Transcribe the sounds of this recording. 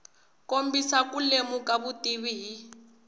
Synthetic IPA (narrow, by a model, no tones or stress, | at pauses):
kombisakulemukaβutiβiɦi